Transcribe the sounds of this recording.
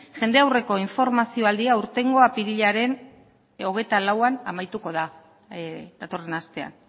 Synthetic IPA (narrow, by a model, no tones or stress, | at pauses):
ʝe̞nd̪e̞awre̞ko̞iɱfo̞ɾmasio̞ald̪iauɾt̪e̞ŋɡo̞apiɾiʎaɾe̞n | o̞ɣ̞e̞jt̪alawanamajt̪uko̞ða | d̪at̪o̞re̞nast̪e̞a̰n